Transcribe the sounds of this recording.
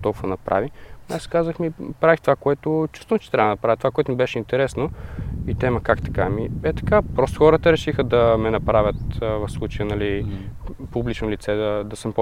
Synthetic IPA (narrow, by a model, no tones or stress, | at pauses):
t̪ɔlkvonɐpɾʔa̰viaskazəxmipɾavixt̪ovakoɛt̪ʊt͡ʃu̥st̪onot͡ʃɛ̥t̪ɾabəd̪ənɐpɾavjt̪ovakoɛt̪ʊmibɛʃɛint̪ɛɾɛsnoit̪ɛməkakt̪ɐ̥kamibɛt̪ɐ̥kapɾɔst̪oxɔɾət̪əɾɛʃixəd̪ɐmɛnɐpɾavʲət̪ːvɐfslˠut͡ʃəjənɐli | publit͡ʃnolit̪sɛd̪ɐd̪ɐsəmp